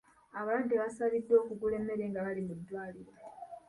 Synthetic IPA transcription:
aβaladːiβasaβid̪ːo̞ːkuɡule̞mːe̞ɾe̞ːŋɡaβalimudːwaːliɾo

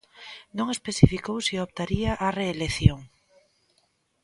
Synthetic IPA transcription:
nõŋespesifikowsiopt̪aɾiaʔareːleθjoŋ

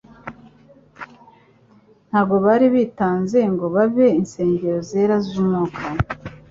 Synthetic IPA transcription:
n̥haːbɡo̞βaɾiβiːtaːnze̞ŋɡo̞βaβe̞inse̞ːɲɟeɾozeːɾazuːmŋokʰa

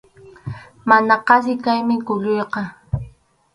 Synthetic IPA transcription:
manaqɑs̬ɪkajmɪkʊʎʊjqɑ

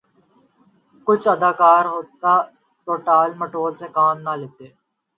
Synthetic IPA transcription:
kʊt͡ʃʰəd̪aːkaːɾɦoːt̪a | ʈoːʈaːlməʈoːlsekaːmnalet̪eː

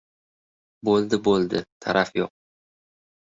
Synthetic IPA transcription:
bolˠd̪ɪbolˠd̪ɪt̪ʰaɾafjo̰q̚

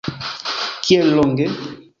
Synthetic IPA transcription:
kjɛlɔŋɡɛ

